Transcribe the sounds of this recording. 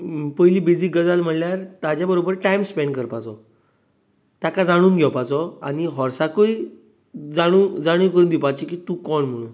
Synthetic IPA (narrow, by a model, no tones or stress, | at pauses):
pəjliːbid͡ziːɡəd͡zalm̤əɽljaɾt̪ad͡ʑjabəɾobəɾʈaimspɛɳɖkəɾpat͡sɔ | t̪jakad͡zaɽ̃uːnɡʱɛwpat͡sɔa̰ñiɦɔɾsakəi | d͡zaɽ̃uːd͡zaɽ̃uːkəɾuːnd̪ipat͡ɕikiːt̪ũːkɔɳm̤əɽ̃uːn